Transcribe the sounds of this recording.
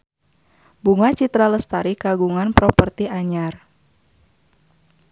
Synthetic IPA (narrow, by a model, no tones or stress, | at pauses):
buŋat͡ʃit̪ɾaləst̪aɾikaɡuŋanpɾɔpərt̪iaɲar